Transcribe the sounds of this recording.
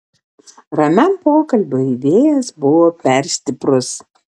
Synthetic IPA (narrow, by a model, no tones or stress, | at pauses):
ɾɐmʲɛmpoːkɐlʲbʲoiʋʲeːjɛsbʊʋoːpʲɛɾʲsʲt̪ʲɪpɾʊs